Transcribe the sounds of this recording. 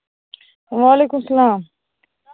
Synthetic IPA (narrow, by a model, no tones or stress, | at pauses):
ʋaːleːkumsɐlaːm